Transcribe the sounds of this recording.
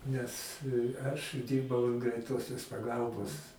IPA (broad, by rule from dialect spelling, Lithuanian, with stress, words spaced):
nʲɛs ˈɐʃ ˈdʲiːrbɐʊ ɐn ɡrʲɛɪˈtoːsʲoːs pɐˈɡɐlˠboːs